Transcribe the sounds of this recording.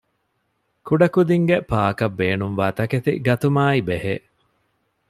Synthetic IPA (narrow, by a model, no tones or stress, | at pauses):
kuɖɐkud̪iŋɡepaːkɐbːeːnumʋaːt̪ɐket̪ḭɡɐt̪umaːibeheː